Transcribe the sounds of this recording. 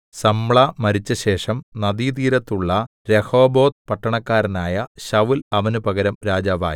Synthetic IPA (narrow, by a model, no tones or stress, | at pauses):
sɐmɭamɐɾit͡ɕːɐɕe̞ːʂɐmnɐd̪it̪iːɾɐt̪ːuɭːɐ | ɾeho̞ːbo̞ːt̪̚pɐʈːɐɳɐkːaːɾɐnaːjɐɕɐʋilɐʋɐnupɐɣɐɾɐmɾaːd͡ʑaːʋa̰ːji